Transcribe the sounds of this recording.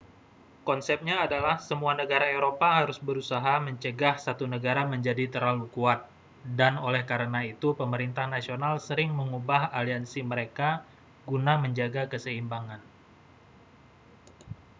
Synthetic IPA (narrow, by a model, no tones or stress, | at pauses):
kɔnsɛp̚ɲaːdalahsəmuanəɡaɾaeɾopaɦaɾʊsbəɾusaɦaməɲt͡ʃəɡahsat̪unəɡaɾaməɲd͡ʒadit̪əɾalukuat̪̚ | danolɛhkaɾənait̪upəməɾint̪ahnasionalsəɾɪŋməŋubahaliansiməɾeka | ɡunaməɲd͡ʒaɡakəsəimbaŋan